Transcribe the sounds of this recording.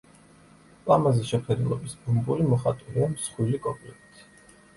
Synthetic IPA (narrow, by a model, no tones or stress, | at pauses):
pʼlˠamazɛʃɛχɛd̪ulˠɔ̰bisbumbulimɔχat̪ʼuliamsχwilikʼɔpʼlɛkt̪ʰi̥